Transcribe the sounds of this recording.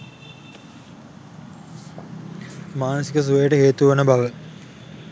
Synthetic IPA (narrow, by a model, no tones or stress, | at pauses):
maːnəsikəs̬uʋəjəʈəɦeːt̪uʋɐnəbaʋə